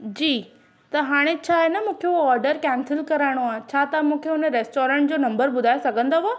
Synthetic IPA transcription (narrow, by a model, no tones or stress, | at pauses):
d͡ʑiː | t̪ɐɦaːɽ̃et͡ɕʰaːɦenɐmũːkʰeuɔːɾɖəɾkɛːnsɪlkɐɾaːɪɽ̃oaːɦt͡ɕʰaːt̪amũːkʰeʊnəɾeːsʈoːɾẽɳʈ̚d͡ʑoːnɐ̃mbəɾɓʊd̪ʱaːesɐɡʱə̃nd̪oʋo